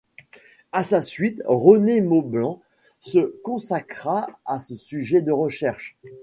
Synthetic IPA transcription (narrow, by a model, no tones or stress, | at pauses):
asasɥit̪ʁənemoblɑ̃ | səkɔ̃sakχaasəsyʒɛd̪əʁəʃɛʁʃ